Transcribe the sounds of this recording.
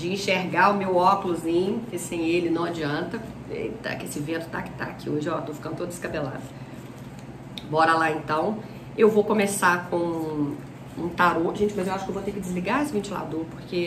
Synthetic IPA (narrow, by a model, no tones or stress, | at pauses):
d͡ʒɪĩʃeɾɡaʊmewɔkulʊzĩɲʊkɪsẽj̃elɪnɐ̃w̃ad͡ʒiɐ̃nt̪ɐ | ḛt̪a̰kesɪvẽnt̪ʊ̥t̪akɪ̥t̪a̰akioʒɪɔt̪ofikɐ̃d̪ʊt̪od̪ɪskabela̰d̪ɐ | bɔɾɐlaẽnt̪ɐ̃w̃ | ewvowkõmesakõ | ũt̪aɾoʒẽnt͡ʃɪmɐzewaʃʊkewvowt̪eɾkɪd͡ʒɪzliɡaesɪvẽnt͡ʃila̰d̪oɾpoɾke